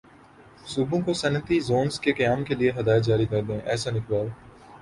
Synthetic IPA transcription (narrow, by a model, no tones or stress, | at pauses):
suːbõkosɐnət̪izoːnzkekɐjaːmkelieɦɐd̪aːjd͡ʒaːɾikɐɾd̪ẽːʔɛːsanɪkʋaːl